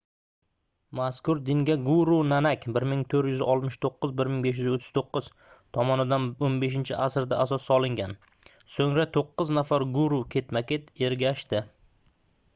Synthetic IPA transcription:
maskʊɾd̪ɪŋɡʲaɡuɾunanakʲbɪɾmɪŋt̪ʰɵɾjʏzɪʔɒlˠt̪mɪʃt̪ʰoqːɨzbɪɾmɪŋbe̞ʃ̬jʏzot̪ʰːɪ̥z̥t̪ʰoqʰːɨz̥ | t̪ʰɒmɒnɪd̪anonbe̞ʃ̬ɪnt͡ʃʰɪʔasɾd̪aʔasɒsːɒlˠɪŋɡʲan | soŋɾat̪ʰoqːɨznafaɾɡuɾukʲʰe̞t̪makʲe̞t̪e̞ɾɡʲaʃt̪ɪ

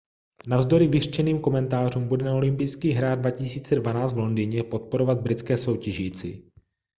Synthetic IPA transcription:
navzdo̞ɾɪvɪr̥t͡ʃɛniːmko̞mɛnt̪aːr̝uːmbudɛnao̞lɪmpijskiːɦɾaːddvacɪsiːt͡sɛdvanaːt͡st̪vlo̞ndiːɲɛpo̞t̪̚poɾo̞vad̪̚bɾɪt͡skɛːso̞wcɛʒiːt͡sɪ̰

